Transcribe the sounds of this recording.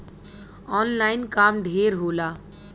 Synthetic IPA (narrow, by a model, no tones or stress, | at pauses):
ɔnlainkamɖ̪ʱeɾɦola